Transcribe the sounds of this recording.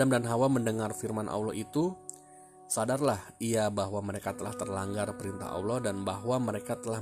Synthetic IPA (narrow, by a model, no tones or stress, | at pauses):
amdanɦawaməndəŋarfirmanʔa̰wlɔʔit̪u | sadarlahiabaɦwaməɾekat̪əlaht̪ərlaŋɡarpəɾint̪a̰ɦa̰wlɔdanbaɦwaməɾekat̪əla